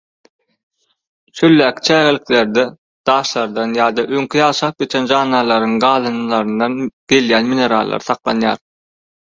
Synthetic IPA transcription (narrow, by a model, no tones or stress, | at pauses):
ʃølːæːkʲʰi̥t͡ʃʰæːɣelikle̞ɾd̪e | d̪̥ɑːʃlˠɑɾd̪ɑnjɑːd̪ɑʔøŋkʲʰijɑːʃɑːp̚ɡe̞t͡ʃʰend͡ʒɑːnːɑlˠɑɾɯŋɢɑːlˠɯnɯlˠɑɾɯnd̪ɑnɡ̥e̞ljæːnmine̞ɾɑ̰lˠːɑ̰ɾɯ̥θɑqlˠɑ̰njɑ̰ːɾ